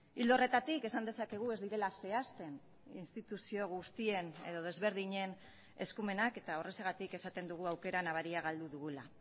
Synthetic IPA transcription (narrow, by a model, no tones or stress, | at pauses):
ild̪ore̞t̪at̪ike̞sand̪e̞sake̞ɣ̞ue̞zd̪iɾe̞lase̞ast̪e̞n | inst̪it̪usio̞ɣust̪ie̞ne̞̰ðo̞ð̞e̞zβe̞ɾð̞iɲe̞n | e̞̰skume̞nake̞t̪aore̞seɣ̞at̪ike̞sat̪e̞nd̪uɣ̞uawke̞ɾanaβ̞aɾiaɣ̞ald̪uðuɣula̰